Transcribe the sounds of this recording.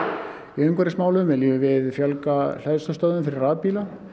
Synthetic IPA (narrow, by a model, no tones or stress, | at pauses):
iʏmkʰvɛɾɪsmaːwlʏmvɛliʏvɪðfjalkal̥ɛðst̪ɔst̪aðʏmfɪɾɪraːpiːla